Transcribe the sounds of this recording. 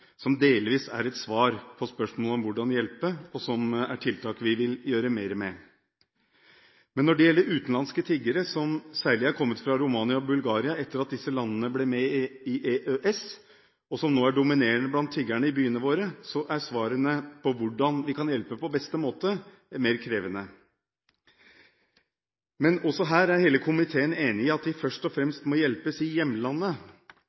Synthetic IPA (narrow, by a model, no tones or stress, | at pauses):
sɔmd̪eːlʋiːsæ̰ɾɛt̪sʋɑːɾpʰɔspœʂmoːlɔmʋʊɖɑnjɛlpəɔsɔmæʈʰɪlt̪ʰɑːkʋɪʋɪljøːɾəmeːɾmɛ | mɛnːɔɖɛjɛlːəɾʉːt̪nlɑnskət̪ʰɪɡəɾəsɔmsæːɭɪæɾkʰɔmːət̪fɾɑɾʊmɑːnɪɑɔbʉlɡɑːɾɪɑɛt̪ːəɾɑt̪̚d̪ɪsːəlɑnːənəblɛmɛɪʔeʔøʔɛs | ɔsɔmnoːæɖʊmɪneːɳəblɑnt̪ʰːɪɡæɳəɪbyːənəʋoːɾəsɔʔæʂʋɑːɾənəpʰɔʋʊɖːɑnʋɪkʰɑnjɛlpəpʰɔbɛst̪əmoːt̪ə | meːɾkʰɾeːʋənə | mɛnɔsɔɦæːɾæɾheːləkʰʊmɪt̪ʰeːəneːnɪɪɑt̪̚d̪ɪfœʂʈɔfɾɛmst̪mɔjɛlpəsɪjɛmːəlɑnːə